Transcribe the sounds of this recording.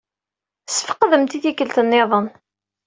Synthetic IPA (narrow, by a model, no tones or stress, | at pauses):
sə̥fə̥qːðəmt̪iθikəlt̪ənːeðˤən